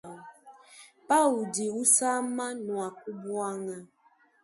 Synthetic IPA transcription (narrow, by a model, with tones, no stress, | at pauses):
pa˦u˨di˨u˦sa˦ma˦nwa˨ku˦bwa˦ŋa˦